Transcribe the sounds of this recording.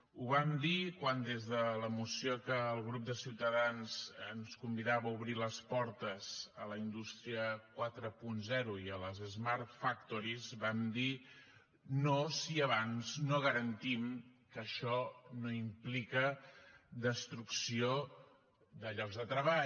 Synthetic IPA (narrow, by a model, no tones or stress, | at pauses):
uβamd̪ikwand̪ezðələmusiokəːlˠɣ̞ɾup̚d̪əsiwt̪əðanz̥ənskumbiðaβəuβɾiləspɔɾt̪əz̥ələind̪ust̪ɾiəkwat̪ɾəpunzɛɾuiələzəzmart̪fak̚t̪oɾizbamd̪i | nosiəβ̞anznoɣəɾənt̪imkəʃɔnoimplikə | d̪əst̪ɾuksio | ðəʎɔɡzðət̪ɾəβa